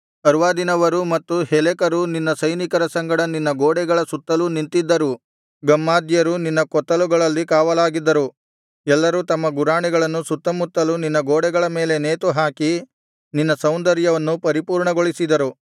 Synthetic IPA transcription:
ɐɾʋaːd̪inɐʋɐɾumɐt̪ːuhɛlɛkɐɾuninːɐsɐjnikɐɾɐsɐŋɡɐɽɐninːɐɡoːɽɛɡɐɭɐsut̪ːɐlunint̪id̪ːɐɾu | ɡɐmːaːd̪jɐɾuninːɐkɔt̪ːɐluɡɐɭɐlːikaːʋɐlaːɡid̪ːɐɾu | ɛlːɐɾut̪ɐmːɐɡuɾaːɳɛɡɐɭɐnːusut̪ːɐmut̪ːɐluninːɐɡoːɽɛɡɐɭɐme̞ːle̞neːt̪uɦaːki | ninːɐsɐwnd̪ɐɾjɐʋɐnːupɐɾipuːɾɳɐɡoɭisid̪ɐɾu

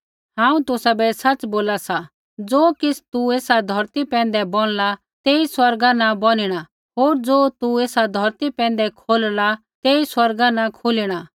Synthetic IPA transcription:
ɦãːũt̪ʊsabɛsɐt͡ʃboːlasa | d͡zoːkɪsʰt̪ueːsad̪ʱɔɾt̪ipɛ̃ːnd̪ɛbɔɽ̃la | t̪eːiswɐɾɡanabɔñɪɽ̃a | ɦoːɾd͡zoːt̪ueːsad̪ʱɐɾt̪ipɛ̃ːnd̪ɛkʰoːlla | t̪eːiswɐɾɡanakʰoliɽ̃a

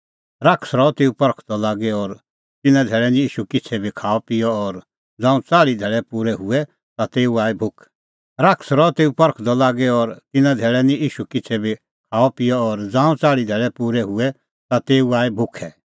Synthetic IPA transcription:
ɾakʰsɾɔt̪eːupɐɾkʰd̪ɔlaːɡɛɔːɾ | t̪ɪnãd̪ʱeːɭɛnĩiːʃukɪt͡sʰɛbʱikʰaːɔpɪjɔɔːɾ | d͡zãːũt͡saːɭid̪ʱɛːɭɛpuːɾɛɦʊɛ | t̪at̪eːuaːɛbʱʊkʰ | ɾakʰsɾɔt̪eːupɐɾkʰd̪ɔlaːɡɛɔːɾt̪ɪnãd̪ʱeːɭɛnĩʔiːʃukɪt͡sʰɛbʱi | kʰaːɔpɪjɔɔːɾd͡zãːũt͡saːɭid̪ʱɛːɭɛpuːɾɛɦʊɛ | t̪at̪eːuaːebʱʊkʰɛ

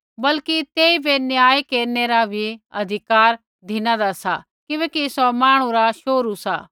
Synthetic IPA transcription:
bɐlkit̪eːibʱenjaːekeːɾneɾabʱiɐ̰d̪ʱɪkaːɾ | d̪ʱɪnãd̪asa | kɪʋẽːkisɔmaːɽ̃ũɾaʃoːɾusa̰

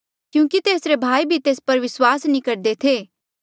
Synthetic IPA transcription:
kjũːkit̪eːsɾebʱaːibʱit̪eːspɐɾʋɪswaːsnĩkɐɾd̪et̪ʰeː

